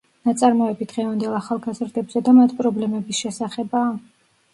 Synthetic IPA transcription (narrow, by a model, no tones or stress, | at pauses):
nat̪sʼaɾmɔɛbid̪ʁɛvand̪ɛlˠaχalˠɡazɾd̪ɛbz̥ɛd̪amat̪ʰipʼɾɔblɛmɛbisʃɛsaχɛbaː